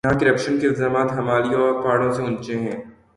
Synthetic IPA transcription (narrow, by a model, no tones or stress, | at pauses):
ɦãkɐɾəpʃənkeɪlzaːmaːt̪ɦɐmaːlijõɔɾpaːɽõseʊ̃nt͡ʃẽɦɛ̃ː